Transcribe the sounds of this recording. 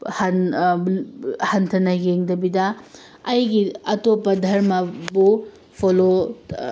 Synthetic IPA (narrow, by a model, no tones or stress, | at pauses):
hɐn | hɐntʰɐnɐɡeŋdɐbidɐː | jɡiɐtopɐdʱɐɾmɐbu | pʰolo